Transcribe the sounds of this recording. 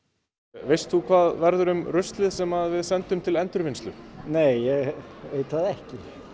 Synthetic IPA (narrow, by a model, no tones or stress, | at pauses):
vejst̪θukʰvaːðvɛɾðʏɾʏmrʏst̪lɪðsɛmaðvɪðsɛnt̪ʏmt̪ʰɪlɛnt̪ʏɾvɪnsʏneːjjɛɣeːjt̪aðɛhcɪ